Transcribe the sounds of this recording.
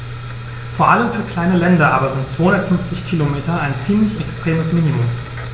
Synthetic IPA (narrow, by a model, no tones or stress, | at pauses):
foːɐʔaləmfyːɐkl̥aɪnəlɛndɐʔaːbɐzɪntt͡sv̥oːhʊndɐtfʏnft͡sɪçkʰilomeːtɐaɪnt͡siːmlɪçɛkstʁ̥eːməsminimʊm